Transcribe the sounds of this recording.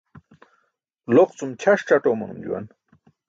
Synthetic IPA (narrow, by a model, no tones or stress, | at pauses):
loqt͡sumt͡ɕʰaʂʈ͡ʂaʈoːmɐ̰nṵmd͡ʑṵwa̰n